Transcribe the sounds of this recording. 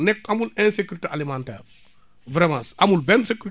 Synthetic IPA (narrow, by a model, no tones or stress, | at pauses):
nɛk̚ːɐmulɛnsekuɾitealimantɛ̰ːr | vɾɛmasamulbɛnsekʲuɾ